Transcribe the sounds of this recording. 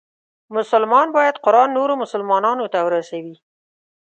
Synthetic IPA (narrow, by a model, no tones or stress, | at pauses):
mʊsʊlmɑnbɑjad̪qʊɾɑnːoɾomʊsʊlmɑnɑnot̪awɾasawi